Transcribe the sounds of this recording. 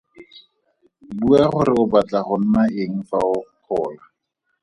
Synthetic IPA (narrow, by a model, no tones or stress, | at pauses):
buaχʊɾɪʊbat͡ɬʼaχʊn̩naeŋ̩faʊq͡χʰɔːla